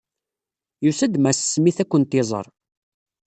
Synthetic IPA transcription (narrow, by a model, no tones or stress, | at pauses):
jusæd̪mæssmiθækʷːənt̪ɪzˤə̰ɾˤ